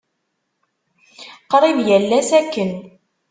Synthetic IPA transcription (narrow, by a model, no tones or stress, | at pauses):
qɾˤivjælːæsækːən